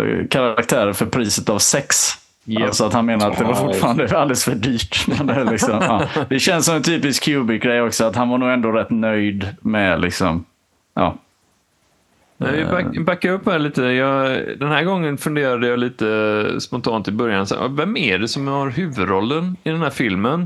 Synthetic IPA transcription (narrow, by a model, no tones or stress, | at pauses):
kʰaɾaakt̪ʰæːɾəɾfœɾpʰɾiːsət̪avsɛks | alsɔat̪hanmeːnaɾat̪̚d̪ɛvaɾfʊʈːfɑːɾand̪əald̪ɛlsfœɖyːʈmɛnd̪ɛælɪksɔmɑːd̪̥ɛɕɛnsːɔmɛnt̪ʰyːpɪskʰːjʉːbɪɡɾɛjːɔksɔat̪hanvaɳuːɡɛnd̪oːɾɛt̪ːnœjd̪mɛlʔɪ̰ksɔ̰m | ʔɑ̰ː | nɛɪbakːaɵpːhæːɾɭiːt̪əjɑd̪ɛnhæːɾɡɔŋːənfɵnd̪eːɾad̪əjɑliːt̪əspɔnt̪ʰɑːnt̪ɪbœɾjansɛ̰n̰vɛmæɖɛsɔmjɑhaɾhʉ̟ːvɵd̪ɾɔlːənɪd̪ɛnhæːɾfɪlmən